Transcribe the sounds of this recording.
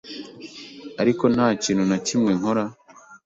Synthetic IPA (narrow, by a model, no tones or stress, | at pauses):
aɾiko̞n̥haːciːn̤unacimŋe̞ŋo̞ɾa